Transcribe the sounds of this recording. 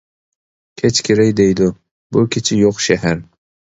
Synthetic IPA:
kʲʰet͡ʃkʲʰeɾajd̪ejd̪ɪ | bʊkʲʰet͡ʃʰɪjoqʃahaɾ

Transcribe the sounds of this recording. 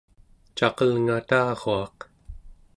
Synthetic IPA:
t͡ʃaqəlŋat̪aːɣoaq̚

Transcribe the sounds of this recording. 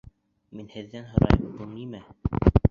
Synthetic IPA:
minhɘ̆ðːænɦŏɾɑ̰jɤmbulˠnimæ

